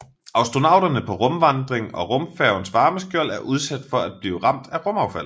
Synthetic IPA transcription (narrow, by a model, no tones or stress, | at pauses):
ɑ̈ʊsd̥ʁo̝nɑ̈ʊ̰d̥ɐnəpʰɒ̽ʁɔ̽mʋɑnd̥ʁeŋɒ̽ʁɔ̽mfæʊnsʋɑ̈ːməsɡ̥jœɐ̰læɐʔuð̞ˠsæd̥fɒ̽æd̥̚b̥liːʊʁɑ̈m̰d̥æʁɔ̽mɑ̈ʊfæl̰